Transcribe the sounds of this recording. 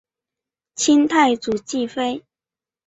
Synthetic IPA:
t͡ɕʰi˦nt̪ʰa˥˩ɪt͡su˨˩t͡ɕi˥˨fe˥ɪ

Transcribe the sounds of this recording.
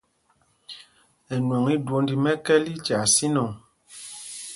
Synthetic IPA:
ɛ˨nwɔ˨ŋi˦dwo˨˦ndi˨mɛ˦kɛ˦li˦t͡ʃa˨si˦nɔ˨ŋ

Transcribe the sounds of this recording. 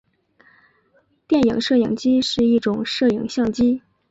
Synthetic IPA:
t̪jɛ˥˩njɤ̰˨˩˦ŋʂɤ˥˩ji˨˩ŋt͡ɕi˥ʂɻ̩˥˧i˥˩ʈ͡ʂʊ˨˩˦ŋʂɤ˥˩ji˨˩ŋɕjɑ˥˩ŋt͡ɕi˥

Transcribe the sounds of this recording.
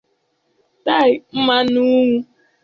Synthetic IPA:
ta˦˨ɪ˨m̩˦ma˦nu˦ŋʷu˦

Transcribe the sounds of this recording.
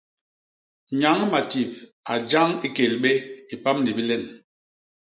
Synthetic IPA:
ɲa˨˦ŋma˨ti˨p̚a˨d͡ʒa˦ŋi˦ke˨lɓe˦i˨pa˦mni˨bi˦lɛ˦˨n

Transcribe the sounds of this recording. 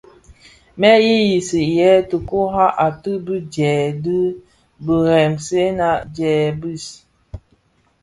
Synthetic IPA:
mɛ˦ji˦ji˨si˨jɛ˨˦tə˨ku˦ɦa˦ʔa˨tɨ˦bi˦d͡ʒɛː˨dɨ˦ | bə˨ɾɛ˨mse˦na˦˨d͡ʒɛː˨bi˦˨s

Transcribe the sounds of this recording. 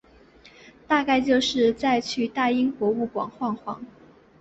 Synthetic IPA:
t̪a˥˧ka˥˧ɪt͡ɕjo˥˧ʊʂɻ̩˥˧t͡sa˥˧ɪt͡ɕʰy˥˩t̪a˥˩i˥ŋxwɔ˧˥u˥˩kwɑ̰˨˩ŋxwɑ˥˩ŋxwɑ˧˥ŋ

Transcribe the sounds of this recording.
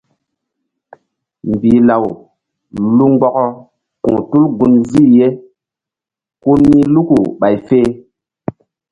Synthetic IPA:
m˨biː˨la˨w | lu˦ŋ͡mɡ͡bɔ˦kɔ˦ | kṵ̃˨tu˦lɡu˦nzi˦˨je˦ | ku˦nmːi˦lu˦ku˨ɓa˨jfe˦

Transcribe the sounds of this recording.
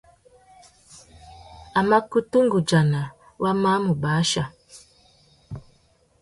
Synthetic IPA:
a˨ma˦ku˦tu˦ŋɡu˨d͡ʒa˨na˨ | wʔa˦ma˦mu˨baː˨˦ʃa˨

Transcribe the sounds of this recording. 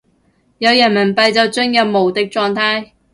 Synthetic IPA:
jɐ˨˧wjɐ˨˩nmɐ˨˩npɐ˨jt͡sɐ˨wt͡sɵ˥ŋjɐ˨p̚mo˨˩wt̪ɪ˨k̚t͡ʃɔː˧ŋt̪ʰaː˥j

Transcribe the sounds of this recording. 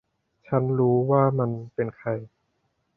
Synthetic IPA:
t͡ɕʰa˦˥nɾuː˦˥waː˥˩ma˧npe˧nkʰa˧j

